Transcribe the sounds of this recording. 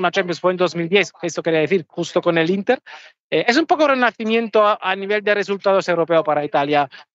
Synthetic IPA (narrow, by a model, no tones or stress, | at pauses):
nat͡ʃãmpjõnsfwend̪ozmild̪jeθkeest̪okeɾiaðeθiɾxust̪okonelint̪eɾ | ees̬umpokorenaθimjent̪oʔaniβeld̪eresult̪að̞osewɾopeopaɾait̪alja